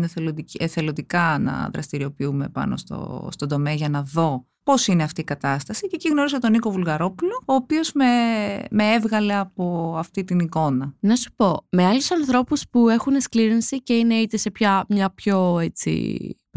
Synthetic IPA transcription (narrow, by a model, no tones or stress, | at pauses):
neθelot̪eθelot̪ikɐnɐ̰ðɾɐ̰st̪iɾio̞piume̞̰pɐ̰no̞̰st̪o̞̰st̪ond̪o̞me̞ɐʝɐnɐðo̞ | po̞sineɐft̪iːkɐt̪ɐst̪ɐsiceciɣno̞ɾiset̪o̞niko̞vulɣɐɾo̞puloːpio̞zmemeevɣɐle̞ɐpo̞ɐft̪it̪iniko̞nɐnɐsu̥po̞me̞ɐlusɐnθɾo̞puspue̞xune̞skliɾinsice̞ine̞it̪ese̞pçɐmɲɐpço̞e̞t͡sḭ